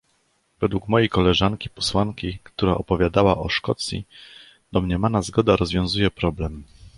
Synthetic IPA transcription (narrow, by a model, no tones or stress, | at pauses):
vɛd̪wukmɔjejkɔlɛʐaŋkʲipɔ̥swaŋkʲikt̪uɾaʔɔpɔvʲjad̪awaʔɔʂkɔt̪sʲjḭ | d̪̥ɔmɲɛmanazɡɔd̪aɾɔzvʲjɔ̃w̃zujɛpɾɔblɛm